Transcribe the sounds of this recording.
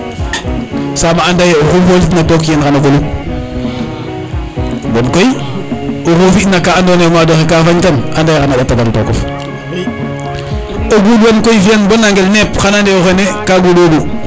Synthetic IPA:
samaandajeoxofolitnatokjenxanakolu | bonkoj | oxofiʔnakaandonemadoxekafaɲtanandajxanaɓataɡalto̰ko̰f | oɡuːdwenkojfienbonːaŋɡelnepxanandeoxenekaɡuːdwoɡu

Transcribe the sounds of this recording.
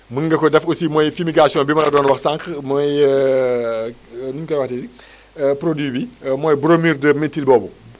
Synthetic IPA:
məŋɡɐkɔdɛfosimɔːjfimiɡasijɔ̃nbimɐlɐdɔːnwɐxsaŋkmɔj | nuɲkɔwɐxtɛsi | pɾodwiːbimɔːjbuɾomiːrdəmetilbɔːbu

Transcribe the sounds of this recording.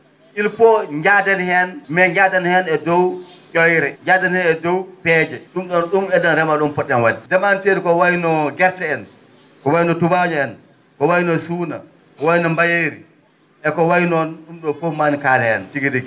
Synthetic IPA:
ilpɔɲd͡ʒadanhɛnmɛɲd͡ʒadanhɛnɛdɔwt͡ʃɔjɾɛɲd͡ʒadanhɛnɛdɔwpɛd͡ʒɛɗumɗɔnɗumɛɗɔnɾɛmaɗɔmpɔɗːɛnwadidɛmanteɾikɔwajnɔɡɛɾtɛɛn | kɔwajnɔtubad͡ʒɔɛn | kɔwajinɔsuːna̰ | kɔwajnɔmbajeɾi | ʔɛkɔwajnɔnɗumɗɔfomanikaːlɛɛ̰ntiɡidiɡi

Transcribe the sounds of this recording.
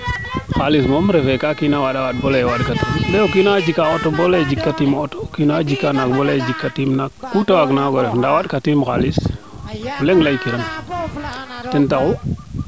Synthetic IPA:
xalis̬momɾefɛkakinawaɗawaɗ̚bolewaɗkatimɗeokinad͡ʒikaotoboled͡ʒikːatimotokinad͡ʒikːanak̚boled͡ʒikːatimnakːutawaɡnaɡɔɾefndawaɗkatimxalis | leŋɡlajkiɾam | tɛntaku

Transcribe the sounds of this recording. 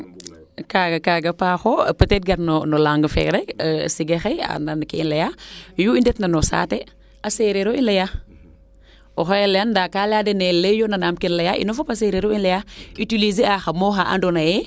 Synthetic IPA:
kaɡakaɡapaxopətet̚ɡaɾnonolaŋɡəfḛɾeksiɡexea̰nankiinlejajuindɛtnanosa̰te | aseɾeɾoinleja | oxaeleandakaladenelejonanamkinlejaʔḭnofopaseɾeɾoinlejaitilizeaxamoxaʔa̰ndonaje

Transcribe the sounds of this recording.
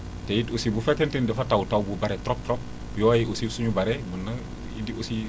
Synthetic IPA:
tɛjitosibufɛkɛntɛndɛfatawtawbubaɾɛtɾɔp̚tɾɔp̚ | jɔjiʔosisuɲubaɾɛbənːɐ | ḭdiʔosi

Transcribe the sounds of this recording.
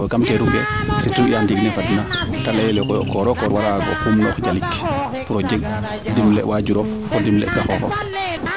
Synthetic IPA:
ɔkamkɛɾuɡɛ̰situjamdiɡnɛfadinatalajɛlɛkɔjɔ̰kɔɾɔkɔɾwaɾaɡɔ̰pumnɔfd͡ʒalikː | pɾɔd͡ʒɛɡ | dimlɛ̰wad͡ʒuɾɔf | kɔdimlɛ̰ɡaxɔxɔ̰

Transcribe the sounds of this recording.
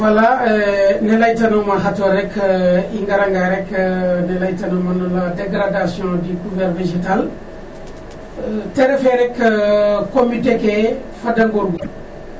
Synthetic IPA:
wɐla | nɛlajtɐnumɐɦatɔɾɛkiŋɡɐɾɐŋɡaɾɛknɛlajtɐnumɐnɔladeɡɾadasiɔ̃diɡuvɛɾvesital | tɛɾɛfɛɾɛk | komitekefɐdɐŋɡɔɾɡu

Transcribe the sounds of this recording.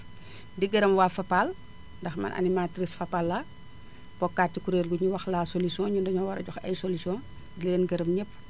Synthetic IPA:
diɡɐɾɐmwaːfɐpal | ndɐxmɐ̰nʔɐ̰nimatɾisfɐpalːa | pɔkːaːt̚ːikuɾeːlɡuɲuwɐxlaːsolisiɔ̃ːɲundɐɲɔwɐɾɐ̰ɟɔxɐ̰jsolisiɔ̃ | dileːnɡɐɾɐmɲɛpː

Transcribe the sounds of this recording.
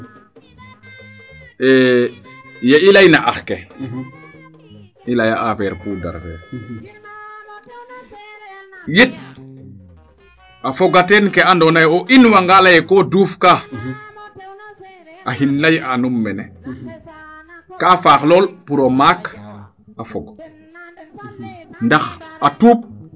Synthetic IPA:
ɛ | jeilajnaʔaxkɛ | ilajaʔafɛːɾpuːda̰ɾfɛ̰ːɾ | jet̚ | afɔɡatɛnkɛandɔnajɔʔinwaŋɡalajɛkɔduːfka | ʔahinlajanumːɛnɛ | kaːfaːxlɔːlpuɾomak | afɔɡ | ndaxatuːp̚

